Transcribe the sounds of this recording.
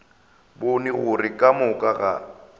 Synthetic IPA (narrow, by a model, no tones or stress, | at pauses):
bʊnɪɣʊrɪkʼamʊkʼaɣa̰